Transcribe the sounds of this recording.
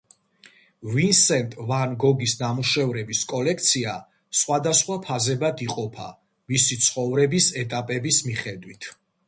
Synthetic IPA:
vinsɛnt̪ʼvanɡɔɡisnamuʃɛvɾɛbiskʼɔlɛk̚ʰt̪sʰia | sχwad̪asχwapʰazɛbad̪iqʼɔpʰa̰ | misit̪sʰχɔvɾɛbisɛt̪ʼapʼɛbismiχɛd̪wit̪ʰ

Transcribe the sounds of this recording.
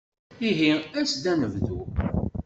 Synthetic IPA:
iɦiæsd̪ænəvðu

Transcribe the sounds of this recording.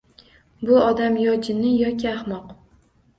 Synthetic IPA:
bʊɒd̪amjɒd͡ʒɪnɪjɒkʲʰɪahmɒq

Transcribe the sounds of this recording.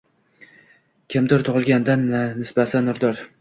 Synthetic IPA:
kʲʰɪmd̪ʊɾt̪ʰʊʁɨlˠɡʲand̪anːɪsbasɪnːʊɾd̪ɒɾ

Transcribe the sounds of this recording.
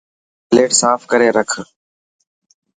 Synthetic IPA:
leːʈsaːfkəɾeːɾəkʰ

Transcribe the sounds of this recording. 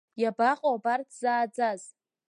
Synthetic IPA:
jabaqʼoabartʰz̥aːd͡zaz

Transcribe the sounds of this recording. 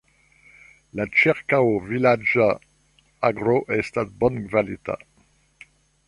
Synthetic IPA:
lat͡ʃɛʁkaovilad͡ʒa | aɡʁoʔɛst̪at̪̚bɔnɡvalit̪a̰

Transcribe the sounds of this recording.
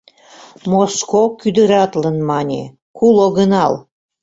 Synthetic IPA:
moskokyd̪əɾɑt̪lənmɑnʲḛ | kuloɣənɑl

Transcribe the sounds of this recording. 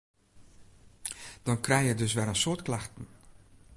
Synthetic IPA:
d̥ɔnkrɛjjədɵs̬ʋɛɾənsoːtklaxtən̩

